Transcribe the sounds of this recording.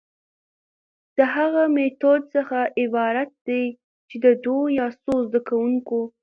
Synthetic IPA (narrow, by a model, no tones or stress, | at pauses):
d̪̥əɦaɣamet̪od̪səxaʔɪbɑɾat̪̚d̪̥aj | t͡ʃed̪əd̪ojɑsozd̪akawuŋko